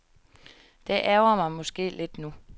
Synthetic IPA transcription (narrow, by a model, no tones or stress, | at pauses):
d̥eʔæɐʊɐmɑ̈ɪmɔ̽sɡ̥e̝̰ːle̝d̥nu